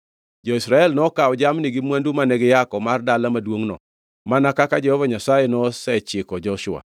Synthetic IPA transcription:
d͡ʒɔisɾaɛlnɔkaɔd͡ʒamniɡimwandumanɛɡɪjakɔmardalamadwoŋnɔ̰ | manakakad͡ʒɛhɔvaɲasajɛnɔsɛt͡ʃɪkɔd͡ʒɔʃʊa̰

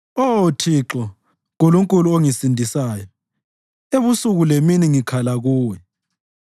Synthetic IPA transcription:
otʰiǁɔ | ɣuluŋkʼuluoŋisindʱisaːjɔ | eβusuɣuleminiŋikʰalaɣuːwɛ

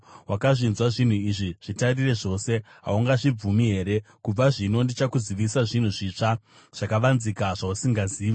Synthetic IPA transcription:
wakaʐinzwaʐin̤uiʐiʐ̥itarire̞ʐo̞se̞ɦa̰uŋɡaʐib͡vumiɦe̞ːɾe̞kub͡vaʐino̞ndit͡ʃakuziʋisaʐin̤uʐit͡ʂa | ʐ̥akaʋanzikaʐausiŋɡaziːʋa

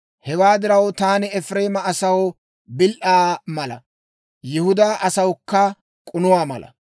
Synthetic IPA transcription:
hɛwaːd̪ɪɾɐwt̪aːnɪɛfɾe̞ːmɐːsɐw | bɪlʔaːmɐlɐ̰ | jɪhʊd̪aʔɐsɐwkːɐ | kʼʊnʊwaːmɐ̰lɐ̰

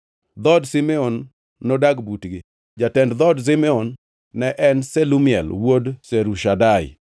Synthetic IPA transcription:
d̪ɔdsimɛonː | odaɡbutɡɪ | d͡ʒatɛndd̪ɔds̬imɛɔnː | ɛʔɛnsɛlumiɛ̰lwodseɾuʃadaɪ̰

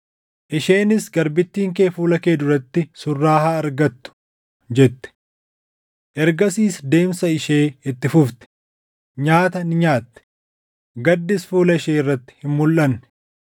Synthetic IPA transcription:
ʔɪʃe̞ːnɪsɡɐɾbɪt̪ːiːŋkeːfuːlɐke̞ːd̪ʊɾɐt̪ːɪsʊrːaːhaːɐɾɡɐt̪ːʊ̥ | d͡ʒɛt̪ːɛ̥ | ʔɛɾɡɐsiːsd̪e̞ːmsɐɪʃeːɪt̪ːɪfʊft̪ɛ̥ | ɲaːt̪ɐnɪɲaːt̪ːɛ̥ | ɡɐd̪ːɪsfuːlɐɪʃeːɪrːɐt̪ːɪ̥hɪmmʊlʔɐnːɛ̥

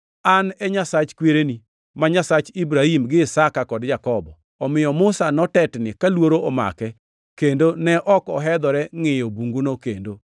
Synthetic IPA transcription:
anɛɲasat͡ʃkweɾeni | maɲasat͡ʃibɾahimɡɪːsakakɔdd͡ʒakɔbɔ̰ | ɔmɪjɔmʊsanɔtɛtnɪkalwoɾoɔma̰kɛ | kendonɛʔɔkɔɦɛd̪ɔɾɛŋɪjobuŋɡunokendo

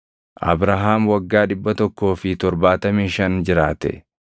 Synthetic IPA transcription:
ʔɐ̰bɾaɦaːmwɐɡːaːᶑɪbːɐt̪ɔkːo̞ːfɪt̪ɔɾbaːt̪ɐmiːʃɐnd͡ʒɪɾaːt̪ɛ̰

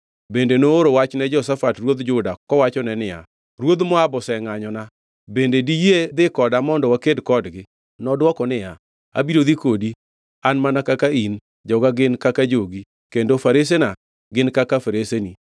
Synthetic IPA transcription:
bendenoːɾowat͡ʃnɛd͡ʒɔsafatrwod̪d͡ʒʊdakɔwat͡ʃɔnɛnɪja̰ | ɾwod̪mɔabɔsɛŋaɲɔna | bendedijed̪ɪkɔdamɔndɔwakedkɔdɡɪ | nɔdwɔkɔnɪja | a̰biɾod̪ikodi | anmanakakain | d͡ʒɔɡaɡɪnkakad͡ʒoɡi | kendofaɾes̬ena | ɡɪnkakafaɾeseni

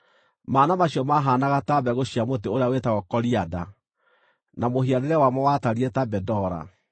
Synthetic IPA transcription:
maːnamaɕiɔmaɦaːnaɣatabɛɣoɕiamot̬eoɾeawetaɣɔkɔɾiada̰ | namohiaɾeɾɛwamɔwataɾietabɛdɔɾa̰

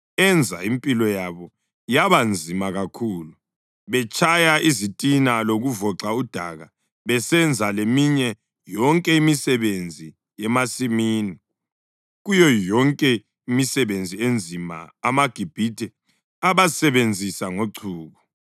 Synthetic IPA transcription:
ɛnd͡zʱa̰impʼilɔjaβɔ | jaβand͡zʱimaɣakʰuːlu | βɛt͡ʃʰʼajaʔizitʼinaloɣuvɔǁaud̥ʱa̰ɣa | βɛsɛnd͡zʱalemiɲɛ | jɔŋkʼɛimisɛβend͡zʱi | jɛmasimiːni | ɣujɔjɔŋkʼɛ | imisɛβend͡zʱiend͡zʱima̰amaɡ̥ʱib̥ʱidʱɛ | aβasɛβend͡zʱisaŋoǀʰuːɣɔ

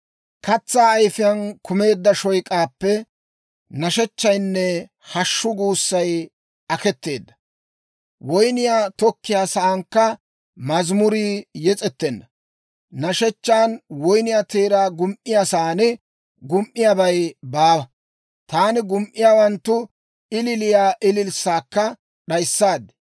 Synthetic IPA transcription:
kɐt͡sːaːjfɪjɐnkʰʊme̞ːd̪ːɐʃɔjkʼaːpːɛ | nɐʃɛt͡ʃːɐjnːɛ | hɐʃːʊɡuːsːɐj | ɐkɛt̪ːe̞ːd̪ːɐ̥ | wɔjnɪjaːt̪ɔkːɪjaːsɐːŋkːɐ | mɐzmʊɾiːjɛt͡sʼɛt̪ːɛnːɐ | nɐʃɛt͡ʃːaːnwɔjnɪjaːt̪eːɾaːɡʊmʔɪjaːsaːnɛ | ɡʊmʔːɪjabɐjbaːbɐ | t̪aːnɪɡʊmʔɪjaːwɐnt̪ːʊ | ɪlɪlɪjaːʔɪlɪlsːaːkːɐ | ɗɐjsːaːd̪ɪ̥

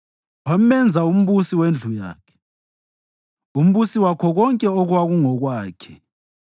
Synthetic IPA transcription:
wam̩mɛnd͡zʱaum̩βusiwend͡ɮʱuja̰ːkʰɛ̥ | um̩βusiwakʰɔɣɔŋkʼɛoɣwaɣuŋɔɣwaːkʰɛ̥

